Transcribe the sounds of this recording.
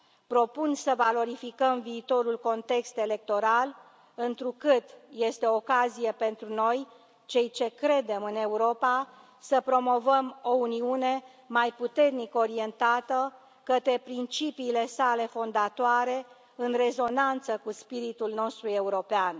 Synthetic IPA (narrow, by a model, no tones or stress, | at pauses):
pɾo̞punsəvalo̞ɾifikəmviːt̪o̞ɾulko̞nt̪e̞kst̪e̞le̞k̚t̪o̞ɾal | ɨnt̪ɾukɨt̪je̞st̪eoːkazije̞pe̞nt̪ɾuno̞j | t͡ʃe̞jt͡ʃe̞kɾe̞d̪e̞mɨne̞uɾo̞pa | səpɾo̞mo̞vəmo̞uniune̞ | majput̪e̞rnikəo̞ɾie̞nt̪at̪ə | kət̪ɾe̞pɾint͡ʃipiːle̞sale̞fo̞nd̪at̪oaɾe̞ | ɨnre̞zo̞nant̪səkuspiɾit̪ulno̞st̪ɾue̞uɾo̞pean